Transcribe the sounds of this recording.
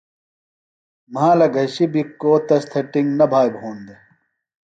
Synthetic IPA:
mãːlɐɡʱɐɕibikːoːt̪ɐst̪ʰɐʈiŋɡnɐbʱaːjbʱɦuːnd̪e

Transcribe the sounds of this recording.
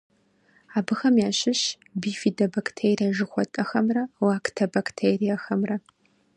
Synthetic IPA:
aːbɨxɐmjaːɕɪɕ | biːfiːdɐbaktʰeːrijɐʒɨxʷɔtʼɐxɐmrɐwaːktʰɐbaktʰejrijɐxɐmrɐ

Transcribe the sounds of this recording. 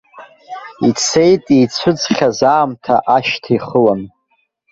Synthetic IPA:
it͡sʰe̞jtʼit͡sʷʰʊd͡zχʲazaːmtʰaʔaʃtʰiχəlan

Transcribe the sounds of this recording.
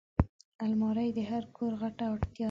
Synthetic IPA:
almɑɾajd̪əɦaɾkʰoɾɣaʈaaɽt̪jɑ

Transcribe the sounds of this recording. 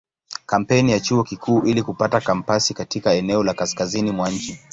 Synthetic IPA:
kam̩pɛnijat͡ʃuɔkikʰuːʔilikupatakam̩pasikatikaɛnɛɔlakaskazinimwaɲ̩t͡ʃi

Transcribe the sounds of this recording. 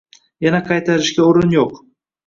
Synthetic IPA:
janaqʰɑjt̪ʰaɾɪʃɡʲaoɾɪnjoq

